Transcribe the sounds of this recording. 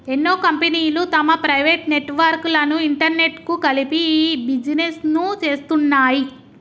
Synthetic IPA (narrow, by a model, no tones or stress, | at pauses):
enːoːkɐmpeniːlut̪ɐmɐpɾɐjʋeʈne̞ʈʋɐɾklɐnuiɳʈɐɾne̞ʈkukɐlipibid͡ʒinesnut͡ʃe̞ːst̪unːaːji